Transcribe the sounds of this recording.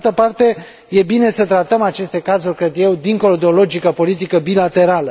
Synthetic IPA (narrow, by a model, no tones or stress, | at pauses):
t̪əpart̪e̞ | je̞bine̞sət̪ɾat̪əmat͡ʃe̞st̪e̞kazurʲkɾe̞d̪je̞wd̪iŋko̞lo̞d̪eolo̞d͡ʒikəpo̞lit̪̬ikəbilat̪e̞ɾalə